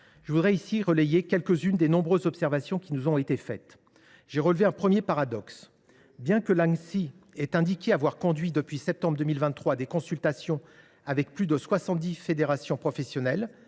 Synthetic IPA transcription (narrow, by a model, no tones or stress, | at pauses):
ʒ̥əvud̪ʁɛisiʁəlɛjekʲɛlkəzynd̪enɔ̃bʁøzːɔpsɛʁvasjɔ̃kʲinuzɔ̃et̪efɛ̰t̪ | ʒ̥eʁəlveɛ̃pχəmjepaʁad̪ɔks | bjɛ̃kəlaŋsiɛt̪ɛ̃d̪ikʲeavwaʁkɔ̃d̪ɥid̪əpɥisɛp̚t̪ɑ̃bʁd̪əmilvɛ̃nːχwad̪ekɔ̃sylt̪asjɔ̃ | avɛk̚plyd̪əswasɑ̃t̪̚d̪ifed̪eʁasjɔ̃pχɔfɛsjɔnɛl